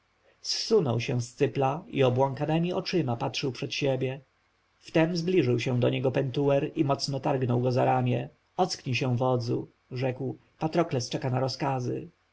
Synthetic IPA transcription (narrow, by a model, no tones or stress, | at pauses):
sːunɔwɕɛ̃st̪sɘplaiɔbwaŋkanɛmʲiɔt͡ʂɘmapatʂɘwpʂɛt̪ɕebʲjɛ | ft̪ɛmzblʲiʐɘwɕɛ̃w̃d̪ɔɲɛɡɔpɛnt̪uwɛɾimɔt̪snɔt̪aɾɡnɔwɡɔzaɾamʲjɛ | ɔt̪skɲiɕɛ̃vɔd̪zṵ | ʐɛkw | pat̪ɾɔklɛst͡ʂɛkanaɾɔskazɘ̰